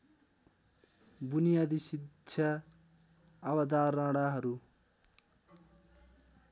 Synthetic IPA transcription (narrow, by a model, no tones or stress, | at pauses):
bunijaːd̪isidɕʰa | bɐd̪aːɾãɽaɦʌɾu